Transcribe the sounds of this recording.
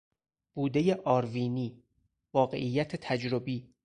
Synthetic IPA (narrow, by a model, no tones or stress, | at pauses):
b̥uːd̪e̞jeʔɒːɾviːniː | vɒːɣe̞̰ʔijːæt̪ʰet̪ʰæd͡ʒɾobiː